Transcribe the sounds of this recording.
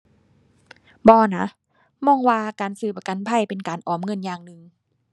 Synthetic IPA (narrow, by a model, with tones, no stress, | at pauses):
bɔː˧na˧˥ʔ | mɔː˧˨ŋwaː˧kaː˨nsɯː˧˩pa˧ka˧˥˦npʰa˧˩˨jpe˨nkaː˨nʔɔː˨˩mŋɤ˧˥˨njaː˧˩ŋnɯ˧ŋ